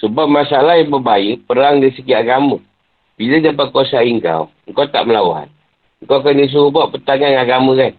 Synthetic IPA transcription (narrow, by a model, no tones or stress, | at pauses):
səbap̚masalahjabəbajəpəɾaŋdasəkiaɡamə | b̥iləd͡ʒapakosaiŋka̰w | ŋkawt̪a̰ʔməlawɦa̰n | ŋkawkanis̬uubaʔpət̪aŋanaɡaməkan